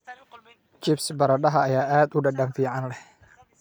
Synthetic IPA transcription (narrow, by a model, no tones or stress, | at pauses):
t͡ʃɪpsbaɾaɗaɦajaʔɛt̪udahdaŋfiʕanlɛh